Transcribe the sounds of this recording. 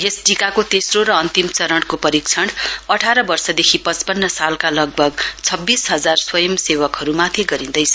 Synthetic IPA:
ɦesʈikakot̪esroɾʌʌnt̪imt͡sʌɾʌɽkopʌɾikt͡sʰʌɳʌʈʰaɾʌbʌrsʌd̪ekʰipʌt͡spʌnːʌsalkalʌɡ̚bʱʌɡt͡sʰʌbːisɦʌd͡zarswʌjʌmsewʌkɦʌɾumat̪ʰiɡʌɾĩnd̪ʌjt͡sʰʌ

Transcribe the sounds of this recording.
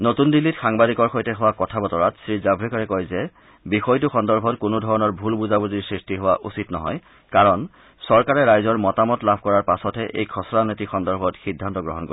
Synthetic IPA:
notundilːitxaŋbadikɔɹxojtɛɦʊwakɔtʰabɔtɔɹatsɹizabʱɹikɔɹɛkɔjzɛ | bixɔjtʊxɔndɔɹbʱɔtkʊnodʱɔɹɔnɔɹbʱulbuzabuziɹsɹistiɦowaʔusitnɔɦɔ̰j | kaɹɔn | sɔɹkaɹɛɹajzɔɹmɔtamɔtlabʱkɔɹaɹpasɔtɛʔḛjkʰɔsɔɹanɔtixɔndɔɹbʱɔtxidʱːantɔɡɹɔɦɔnko̰i

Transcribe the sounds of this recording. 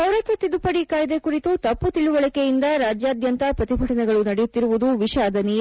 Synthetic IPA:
bɐwɾɐt̪ʋɐt̪ːid̪upɐɽikaːjd̪ekuɾit̪ut̪ɐpːut̪iɭuʋɐɭɐkejind̪ɐɾaːd͡ʒjaːd̪jɐnt̪ɐpɾɐt̪ibʱɐʈɐnɛɡɐɭunɐɽɛjut̪ːiɾuʋud̪uʋiʃaːd̪ʱɐnij

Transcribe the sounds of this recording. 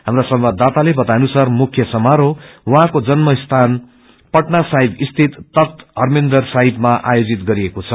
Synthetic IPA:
ɦamɾasʌmbad̪ːat̪alebʌt̪anusarmukʰjʌsʌmaɾowʌɦãkod͡zʌnmʌst̪ʰan | pʌʈnasaɦibist̪ʰit̪ːʌt̪ɦʌrmind̪ʌrsaɦibmaʔa̰jod͡zit̪ɡʌɾiekot͡sʰʌ

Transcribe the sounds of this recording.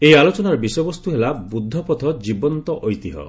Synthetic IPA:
eialot͡ʃɔnaɾɔbisɔjɔbɔst̪uɦelabud̪ʱːɔpɔt̪ʰɔd͡ʒibɔnt̪ɔʔɔjt̪iɦɔ̰

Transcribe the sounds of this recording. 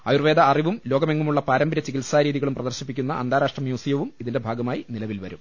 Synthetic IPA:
ɐjurʋeːd̪ɐːriʋumlo̞ːɡɐme̞ŋːumuɭːɐpaːɾɐmbʱɐɾɐt͡ɕːikilsaːɾiːðiɣɐɭumprɐd̪ɐrɕipːikʲːunːɐʔɐ̰nd̪ʱaːɾaːʂʈrɐmjuːsijɐʋumiðinde̞bʱaːɡɐmaːjinilɐʋilʋɐɾṵm

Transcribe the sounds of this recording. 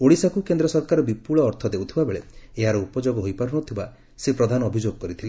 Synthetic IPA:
oɽisakukend̪ɾɔsɔɾkaɾɔbipuɭɔːɾt̪ʰɔd̪ewt̪ʰibabeɭeeɦaɾɔupɔd͡ʒoɡɔɦojpɔɾɔɽ̃ɔt̪ʰiba | sepɾɔd̪ʱanɔːbʱid͡ʒoɡɔkɔɾit̪ʰile

